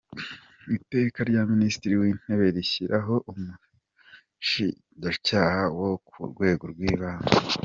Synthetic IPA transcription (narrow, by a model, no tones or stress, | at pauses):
ite̞ːkaɾɟaministiɾiwiːn̥e̞βe̞ɾiçiɾʔaɦo̞ʔumu | ʃḭ | ɟacaːhawokʰṵɾɡwe̞ːɡo̞ɾɡwiːβaːna